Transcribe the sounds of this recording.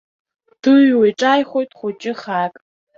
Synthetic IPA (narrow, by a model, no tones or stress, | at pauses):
tʰɨɥwejʈ͡ʂʼajχʷojtʼχʷʊt͡ʃʼɪχakʼ